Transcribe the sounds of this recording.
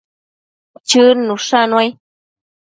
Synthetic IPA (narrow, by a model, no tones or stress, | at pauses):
t͡ʃɨnũʂãnũãj